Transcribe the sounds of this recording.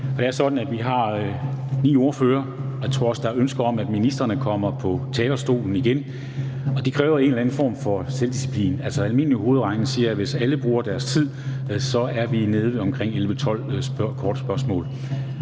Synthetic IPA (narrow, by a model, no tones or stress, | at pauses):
ɒd̥ɾe̝æɐsɒ̽d̥n̩æd̥ʋiɦɑ̈ | nḭːo̝ɐføːɐɒjat͡sʰʁo̝ɐ̰ɒ̽sd̥ɑ̈ønsɡ̥ɐɒ̽mæd̥minisd̥ʁɐnəkʰɒ̽m̰ɐpʰɒ̽t͡sʰɛːɡɐsd̥o̝̰ːln̩iɡ̥en | ɒ̽d̥e̝kʰʁɛːʊɐe̝ːnlæn̩fɒ̰ːmfɒ̽seld̥isi̥pʰlḭːnæl̰sɒælme̝n̰liho̝ːð̞̩ˠʁɑ̈ŋn̩siːɐʋe̝sæləb̥ʁuːɐd̥æɐst͡sʰið̰ˠ | sɒ̽æɐʋine̝ð̞ˠʋe̝ɒ̽mkʰʁeŋ̰elʋət͡sʰɒ̽l̰bkʰɒːd̥sb̥ɶɐsmɔ̰ːl